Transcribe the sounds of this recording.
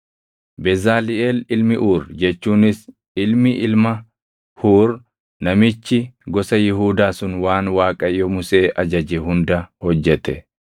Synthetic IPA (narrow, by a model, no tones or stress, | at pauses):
bɛzaːlɪʔeːlɪlmɪʔuːɾd͡ʒɛt͡ʃːuːnɪs | ʔɪlmɪʔɪlmɐ | huːɾ | nɐmɪt͡ʃːɪɡɔsɐjɪɦuːd̪aːsʊnwaːnwaːkʼɐjːɔmʊse̞ːʔɐd͡ʒɐd͡ʒɛɦʊnd̪ɐhɔd͡ʒːɛt̪ɛ